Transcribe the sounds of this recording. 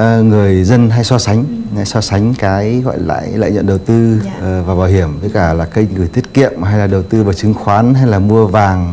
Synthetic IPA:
ŋɨ˨˩əjzə˧nɦa˧jsɔ˧sa˨˦jŋ̟ŋa˧˩jsɔ˧sa˨˦jŋ̟kaː˨˦jɣɔ̰˧˨jla̰ː˧˨jla̰ː˧˨jɲə̰˧˨nɗə˨˩wt̪ɨ˧˨vaː˨˩ɓaː˨˩whi˧˩əmvəː˨˦kaː˧˩laː˨˩kə˧jŋɨ˨˩əjt̪ʰi˦˥t̚kḭ˧˨əmɦa˧jlaː˨˩ɗə˨˩wt̪ɨ˧vaː˨˩t͡ɕɨ˨˦ŋxwaː˨˦nɦa˧jlaː˨˩mu˧əvaː˨˩ŋ

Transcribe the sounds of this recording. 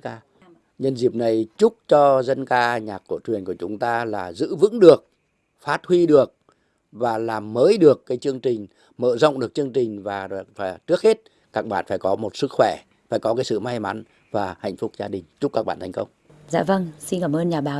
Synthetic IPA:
aː˧ | ɲə˧nzi˨˩p̚na˨˩jt͡ɕʊ˦˥k͡p̚t͡ɕɔ˧zə˧nkaː˧ɲaː˨˩kku˧˩ət͡ɕwi˨˩ənku˧˩t͡ɕʊ˨˦ŋ͡mt̪aː˧laː˨˩zɨ̰˧˥vɨ̰˧˥ŋɗɨ˨˩ək̚ | faː˦˥t̚hwi˧ɗɨ˨˩ək̚ | vaː˨˩laː˨˩mːəː˨˦jɗɨ˨˩əkːaː˨˦jt͡ɕɨ˧əŋt͡ɕï˨˩ŋ̟ | mə̰ː˧˩zə̰˧˨wŋ͡mɗɨ˨˩ək̚t͡ɕɨ˧əŋt͡ɕï˨˩ŋ̟vaː˨˩˨faː˧˩t͡ɕɨ˦˥ək̚he˦˥t̚ | kaː˦˥k̚ɓa̰ː˧˨nfaː˧˩jkɔ˨˦mo˨˩t̚sɨ˦˥k̚xwɛ˧˩ | faː˧˩jkɔ˨˦kaː˨˦jsɨ̰˧˨ma˧jma˨˦n | vaː˨˩ha̰˧˨jŋ̟fʊ˦˥k͡p̚zaː˧ɗï˨˩ŋ̟t͡ɕʊ˦˥k͡p̚ka˦˥k̚ɓa̰ː˧˨nt̪ʰŋkə˧wŋ͡mza̰ː˧˥və˧ŋsi˧nkaː˧˩mʔəː˧nɲaː˨˩ɓaː˨˩

